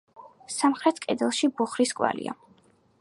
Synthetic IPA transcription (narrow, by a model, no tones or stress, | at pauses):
samχɾɛt̪ʰkʼɛd̪ɛlˠʃibuχɾiskʼwa̰lḭa̰